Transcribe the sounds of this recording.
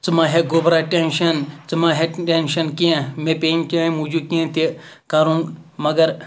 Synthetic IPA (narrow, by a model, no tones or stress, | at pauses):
t͡sɨmãːɦeɡoːbɾaːʈenʃɐnt͡sɨmãːɦeʈenʃɐnkiẽmẽːpeːmkʲaːĩmũːd͡ʒukiẽt̪ʰe | kaːɾũːnmɐɡɐɾ